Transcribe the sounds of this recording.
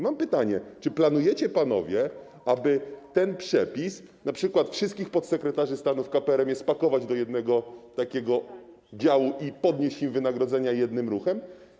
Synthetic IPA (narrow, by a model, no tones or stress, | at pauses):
mampɘt̪aɲɛt͡ʂɘplanujɛt͡ɕɛpan̪ɔ̰vʲjɛ | abɘt̪ɛnpʂɛpʲis | napʂɘkwat̪fʂɘst̪̚kʲixpɔt̪sɛkɾɛt̪aʐɘst̪anufkapɛɛɾɛmjɛst̪pakɔvad͡ʑd̪ɔjɛd̪nɛɡɔt̪akʲɛɡɔ | d͡ʑawuʔipɔd̪ɲeɕt͡ɕimvɘnaɡɾɔd̪zɛɲajɛd̪nɘmɾuxɛm